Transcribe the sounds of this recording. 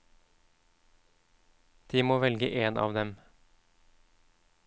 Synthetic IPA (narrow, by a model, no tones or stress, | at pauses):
d̪̥iːmoːʋɛlɡəʔeːnʔɑ̰ːʋd̪ɛm